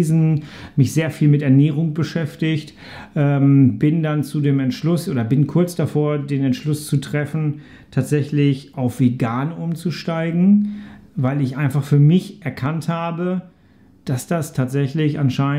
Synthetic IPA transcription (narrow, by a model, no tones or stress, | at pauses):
zn̩mɪçz̥eːɐfiːlmɪtɛɐnɛːʁ̞ʊŋbəʃɛftɪçt | ʔɛːmbɪndant͡sudeːmɛntʃlʊsʔoːdɐbɪnkʰʊɐt͡sd̥afoːɐdeːnɛntʃlʊst͡sutʁ̥ɛfn̩ | tʰaːtz̥ɛçlɪçʔaʊfv̥eɡaːnʔʊmt͡suʃtaɪɡŋ̩vaɪlɪçʔaɪ̃nfaχfyːɐmɪçʔɛɐkʰanthaːbə | d̥asd̥astʰaːtz̥ɛçlɪçʔanʃaɪ